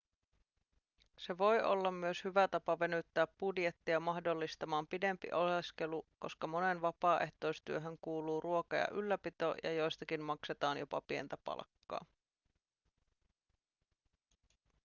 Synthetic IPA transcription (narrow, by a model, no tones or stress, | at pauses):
se̞ʋo̞jo̞̰lːɑmːyøshyʋæt̪ɑpɑʋe̞nyt̪ːæːpbudje̞t̪ːiɑmɑhdo̞lːist̪ɑmɑːmpide̞mpḭʔoleske̞luko̞̰skɑmo̞ne̞nʋɑpɑːʔe̞ht̪o̞jst̪yøɦø̞ŋkuːluːrʔuo̞kɑjɑ̰ʔylːæpit̪o̰jɑ̰jo̞jst̪ɑkinmɑkse̞t̪ɑːnjo̞pɑ̰pie̞̰nt̪æpɑ̰lkːɑ̰ː